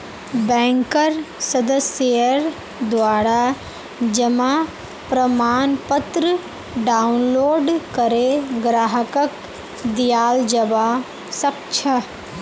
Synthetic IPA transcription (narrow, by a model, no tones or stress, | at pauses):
bɛ̃ːŋkəɾsɐd̪əsjəɾ | d̪ʋaːɾa | d͡ʒɐma | pɾəmaːnpət̪ɾə | ɖaːunloːɖkɐɾeɡɾaːɦəkək | d̪ijaːld͡ʒɐba | sɐkt͡ʃʰɐ